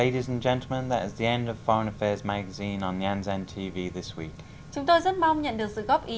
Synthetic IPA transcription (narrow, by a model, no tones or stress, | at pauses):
eɪɾizə̃nd͡ʒɛ̃ntˡl̩ˠmə̃nðətɪzðiɛ̃ndəv̥fɔɹə̃nəfɛːzmaɡəzĩːnə̃niãnzɛ̃ntʰiːviːðɪswḭˑk | t͡ɕʊŋ͡mt̪ojzət̚mawŋ͡mɲə̰nɗɨək̚sɨ̰ɣɔp̚ʔi